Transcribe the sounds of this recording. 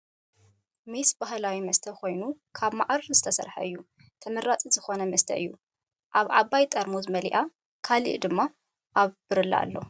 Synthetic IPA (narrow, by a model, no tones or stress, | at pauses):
mesbaɦlawimɐst̪ʰɐkʰo̞jnukʰaβmaʔɾɨɾzɨt̪ʰɐsɐ̰ɾħɐ̰ɨjːu | t̪ʰɐmɐɾːat͡sʼizɨxo̞nɐmɐst̪ʰɐ̰ʔɨ̰jːu | ʔaβʕaβajt̪ʼɐɾmozɨmɐliʔa | kʰalḭʔd̪ɨmːa | ʔaβbɨɾɨlːɐ̰a̰lːo̞